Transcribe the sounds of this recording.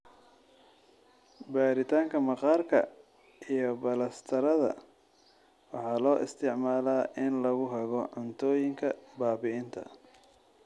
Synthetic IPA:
baːɾɪt̪ʰaːŋkʰɐmɑqɑːrkʰɐ̰ | ijɞbɐlɐst̪ʰɐɾɐðɐ̰ | wɑħɑːlɔːʔɪ̰st̪ʰɪʕmaːlaːʔɪnlɐɣʊɦɛɣɔʕɑnt̪ʰɔːjɪŋkʰɐbaːbɪɪnt̪ʰɐ̰

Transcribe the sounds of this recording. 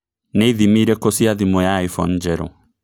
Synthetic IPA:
nɛiðimiɾɛkosiaðimɔjaifɔn̩d͡ʒɛɾɔ̰

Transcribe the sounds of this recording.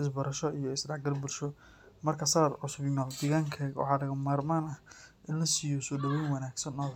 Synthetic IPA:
ʔɪs̬bɐɾɐʃɔijɔɪsdɑʕɡɐrbʊɾʃɔ | mɐrkʰɐsɐɾɐd̪ʕʊsʊbɪmaːld̪ɪɣaːŋkʰaɣwɑ̰ħɑːlɐɣɐmaːrmaːnɐhʔɪnlɐsɪjɔsɔːɖɐwɛjnwɐnaːɡsɐnɔː

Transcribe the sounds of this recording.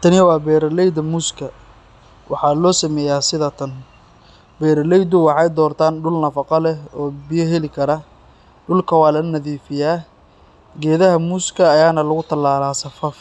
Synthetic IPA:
t̪ʰɐnɪjwɑːbɛːɾɐlɛjd̪ɐmuːskʰɐ | wʔɑħɑlɔːsɐmɛːjaːsɪðɐt̪ʰɐn | bɛːɾɐlɛjd̪ʊwɑħɑjd̪ɔːrt̪ʰaːnɖʊlnɐfɑqɑlɛɔːbɪjɐɦɛlɪkʰɐɾɐ | ɖʊlkʰɐwɑːlɐnɐðiːfɪjaː | ɡɛːðɐɦɐmuːskʰɐːjaːnɐlʊɣʊt̪ʰɐlaːlaːsɐfɐf

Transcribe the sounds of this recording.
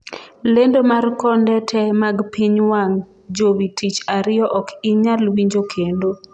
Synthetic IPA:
lendomarkɔndɛtʰɛmaɡpʰiɲwaŋ | d͡ʒowitit͡ʃaɾɪɔʔɔkɪɲalwiɲd͡ʒokʰendo

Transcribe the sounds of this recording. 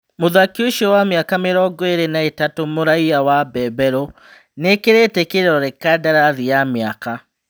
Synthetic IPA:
moðakioʃɔwamjakameɾɔːɡɔeɾenaetatomoɾaiawabɛbɛɾɔ | nekeɾetekeɾeɾɔɾekadaɾaðijamjaka

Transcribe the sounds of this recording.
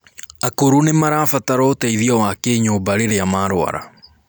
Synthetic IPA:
akoɾunemaɾaːfataɾɔtɛiðiɔwakeːɲoːbaɾeɾeamaɾoa̰ɾa̰

